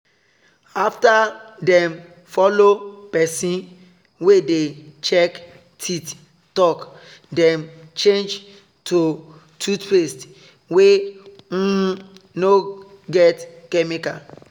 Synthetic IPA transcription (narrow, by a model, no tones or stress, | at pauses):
aftadɛ̃m | fɔlopɛsĩn | wedet͡ʃɛk | tʰit | tɔk | dɛ̃mt͡ʃẽnd͡ʒ | tʰo | tʰutpest | we | no | ɡɛtkɛmika